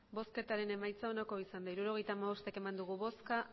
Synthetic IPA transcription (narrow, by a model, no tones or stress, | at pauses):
bo̞ske̞t̪aɾe̞ne̞majt͡sao̞nako̞isand̪aiɾuɾo̞ɣ̞e̞jt̪aːmaβo̞st̪e̞ke̞mand̪uɣ̞uβo̞ska